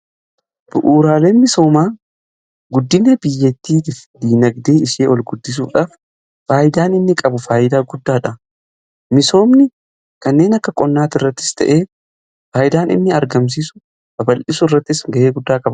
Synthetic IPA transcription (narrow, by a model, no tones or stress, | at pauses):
b̥ʊʔuːɾaːle̞ːnmɪso̞ːmaː | ɡʊd̪ːɪnɛbɪjːɛt̪ːiːt̪ɪfd̪iːnɐɡd̪eːɪʃeːɔlɡʊd̪ːɪs̬uːᶑaːf | faːjɪd̪aːnɪnːɪkʼɐbʊfaːjɪd̪aːɡʊd̪ːaːᶑɐ | mɪso̞ːmnɪ | kɐnːe̞ːnɐkːɐkʼɔnːaːt̪ɪrːɐt̪ːɪ̥st̪ʰɐ̰ʔe̞ː | faːjɪd̪aːnɪ̰nːɪɐɾɡɐms̬iːsʊ̥ | bɐbɐlʔɪsʊɪrːɐt̪ːɪsŋɡɐʔeːɡʊd̪ːaːkʼɐbɐ